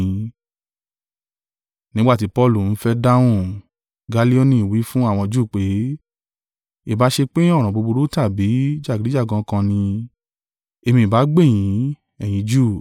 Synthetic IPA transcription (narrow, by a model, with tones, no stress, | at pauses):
nĩ˦ɡ͡ba˦˨ti˨˦pɔ˧lu˨n̩˦fɛ˦da˦w̃ũ˦˨ | ɡa˧li˦o˦nĩ˦˨wi˨˦fũ˦a˦˨w̃ɔ̃˧d͡ʒu˦˨k͡pe˨˦ | i˦˨ba˨˦ʃe˧k͡pẽ˦ɔ˦˨ɾ̃ã˨bo˧bo˧ɾo˦ta˦˨bi˨˦d͡ʒa˦˨ɡi˨ɾi˨˦d͡ʒa˦˨ɡã˧˦kã˧nĩ˧ | e˧mĩ˧i˨ba˨˦ɡ͡be˦˨j̃ĩ˨˦ | ɛ˦˨j̃ĩ˨˧˦d͡ʒu˦˨